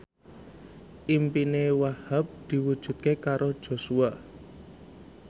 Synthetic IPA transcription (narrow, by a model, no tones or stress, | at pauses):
ʔimpinewahap̚d̪̥i̤wud̥ʒ̥ṳt̪̚kekaɾod̥ʒ̥o̤sua